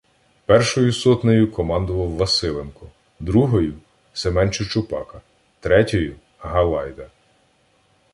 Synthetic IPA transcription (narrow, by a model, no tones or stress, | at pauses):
pɛrʃɔjʊsɔt̪nɔjʊkɔmɑnd̪ʊʋɐwːɐsɪlˠenkɔ | d̪ɾuɦɔjʊ | semɛnt͡ʃʊt͡ʃʊpɑkɐ | t̪ɾɛtʲɔjʊ | ɦɐlˠɑjd̪ɐ